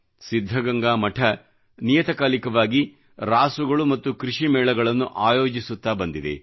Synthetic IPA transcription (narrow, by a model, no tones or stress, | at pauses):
sid̪ʱːɐɡɐŋɡaːmɐʈʰɐ | nijɐt̪ɐkaːlikɐʋaːɡi | ɾaːsuɡɐɭumɐt̪ːukɾiʂimɛːɭɐɡɐɭɐnːuʔaːjoːd͡ʒisut̪ːaːbɐnd̪id̪e̞̰